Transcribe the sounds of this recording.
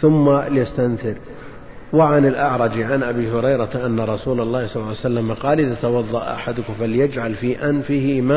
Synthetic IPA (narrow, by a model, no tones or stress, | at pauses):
θʊmːalɪjast̪anθɪɾ | wɪʕanɪlʔɑʕɾˤɑd͡ʒʕanʔabiːhʊɾɑjɾaʔanːaɾˤɑsuːlalˤːɑːhsˤɑlːsalːamaqɑːlɪðat̪awɑðˤːɑʔʔa̰ħad̪ʊkʊfaljɪd͡ʒʕalfiːʔanfɪhima